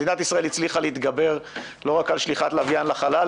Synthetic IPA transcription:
dinat̪isʁaelit͡sliχaleit̪ɡabe̞ʁ | lo̞ʁakalʃliχat̪lavjanlaχala

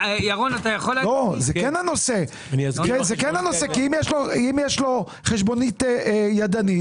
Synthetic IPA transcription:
jaʁonat̪ajaχollozekɛnhano̞se | nikezekɛnhanosekiimjɛʃloimjɛʃlo̞ | χeʃbo̞nit̪ejad̪ani

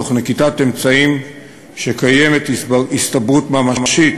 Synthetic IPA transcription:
oχnekitat̪emt͡saim | ʃekajemet̪ist̪abʁutmamamaʃit

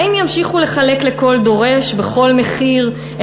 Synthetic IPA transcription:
imjamʃiχule̞χalekle̞ko̞ld̪o̞ʁe̞ʃbe̞χo̞lme̞χiʁ

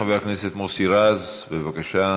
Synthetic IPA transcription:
aveaknese̞t̪mosiɾazbevakaʃa

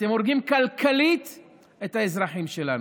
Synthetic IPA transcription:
t̪emoɾɡiːmkalkʰaliːt̪ | ʔet̪aɪzɾˤɑħiːmʃelan

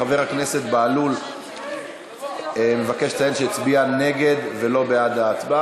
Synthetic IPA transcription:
ave̞ʁakne̞se̞t̪baalul | emevake̞ʃtajenʃeit͡sbiane̞ɡe̞d̪ve̞lo̞bead̪aːt͡sba

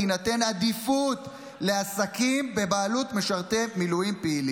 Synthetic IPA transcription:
inate̞nad̪ifut̪ | le̞asakimbe̞baːlutme̞ʃaʁte̞milujimpeili

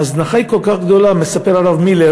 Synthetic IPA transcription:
aznaχaiko̞lkaχɡd̪o̞lame̞sapeʁalavmile

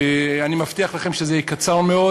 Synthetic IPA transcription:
eanimaft̪iaχlaχe̞mʃezekat͡saʁmeo

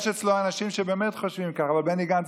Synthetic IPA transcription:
ʃet͡sloanaʃimʃebeːmetχoʃvimkaχavalbeniɡant͡s

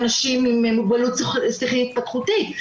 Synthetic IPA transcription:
naʃimimemuɡbalut̪ssiχiit̪̚pat̪χutit

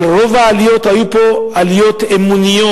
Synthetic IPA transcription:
ɾɔvaːlijɔt̪ajupɔalijɔt̪emuniɔ

